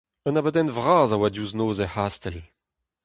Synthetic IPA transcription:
ənabəd̪ɛnvʁaːzawadjuznoːzehast̪ɛl

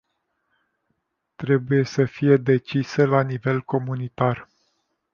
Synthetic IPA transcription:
t̪ɾe̞buje̞səfije̞d̪e̞t͡ʃisəlanive̞lko̞munit̪ar

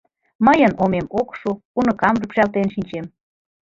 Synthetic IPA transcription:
məjənomemokʃuunəkɑmrəpʃɑlt̪enʃinʲt͡ɕem

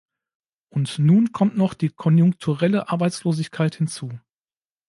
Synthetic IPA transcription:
ʔʊntnuːnkʰɔmtnɔχd̥iːkʰɔnjʊŋktʰuʁɛləʔaɐbaɪt͡sloːzɪçkʰaɪthɪnt͡suː

